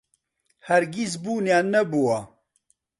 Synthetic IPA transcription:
hɐɾɡis̬buːnjaːnɛbuwa

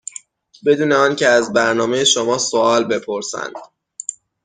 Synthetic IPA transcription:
be̞d̪uːneɒːncʰeæzbæɾnɒːme̞jeʃomɒːsoɒːlbe̞pʰo̞ɾsæ̰nd̪̥

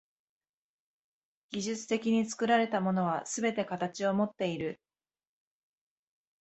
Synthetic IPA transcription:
ɡʲiʑɨt͡sɨ̥t̪e̞kʲiɲ̟it͡sɨ̥kɯ̟ɾaɾe̞t̪amo̞no̞β̞asɨbe̞t̪e̞kat̪at͡ɕio̞mot̪ːe̞iɾɯ̟

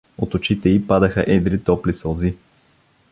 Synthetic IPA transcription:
o̰t̪ʊt͡ʃit̪ɛipad̪əxə̰ʔɛd̪ɾit̪ɔplisolˠzi

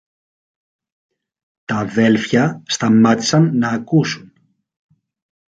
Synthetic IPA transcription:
t̪ɐðe̞lfçɐst̪ɐmɐt̪i̥sɐnːɐːkusun

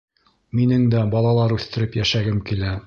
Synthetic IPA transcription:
minɘŋd̪æbɑlˠɑlˠɑɾʉθt̪ɘ̆ɾɘpjæʃæɡɘmkilæ

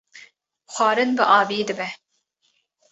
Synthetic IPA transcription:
xʷɑːɾɨnbɨʔɑːveːd̪ɨbɛ

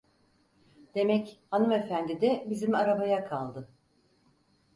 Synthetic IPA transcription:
d̪̥e̞mɛchanɯme̞fænd̪id̪ɛbizimaɾabajakʰalˠd̪ɯ

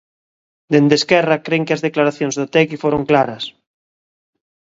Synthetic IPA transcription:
d̪end̪eskɛrakɾeŋkɪazðeklaɾaθjoŋzðot̪ɛkifoɾoŋklaɾɐs

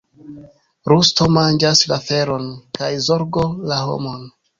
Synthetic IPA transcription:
ɾusto̞mand͡ʒaslafe̞ɾo̞nkajzo̞ɾɡo̞laɦo̞̰mo̞n

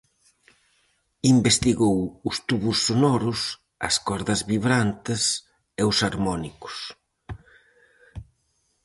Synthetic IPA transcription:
imbest̪iɣowʊst̪uβʊsːonɔɾʊs | ɐ̰skɔɾðɐzβiβɾant̪ɪs | eʊsaɾmɔnikʊ̥s

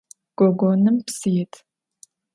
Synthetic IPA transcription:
ɡ̥ɔɡʷonɨmpsɨjɛtʰ

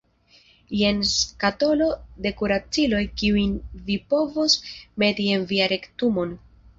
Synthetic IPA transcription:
je̞nskato̞lo̞de̞kuɾat͡silo̞jkiujnvipo̞vosme̞tie̞nviaɾe̞ktumo̞n

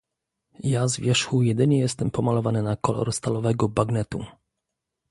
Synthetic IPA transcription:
jazvʲjɛʂxujɛd̪ɘɲɛjɛst̪ɛmpɔmalɔvanɘnakɔlɔ̰ɾst̪alɔvɛɡɔbaɡnɛt̪ṵ

